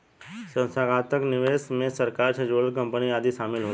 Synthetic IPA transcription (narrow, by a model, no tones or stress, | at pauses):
sə̃nsaɡʱaːt̪əknɪʋeːsmẽsɐɾkaːɾt͡ʃʰəd͡ʒoːlkɐ̃mpəniaːd̪iʃaːmɪlɦoː